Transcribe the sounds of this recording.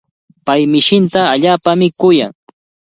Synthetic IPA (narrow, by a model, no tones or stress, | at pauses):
pajmɪʃɪnt̪aːʎaːpamɪkʊja̰ŋ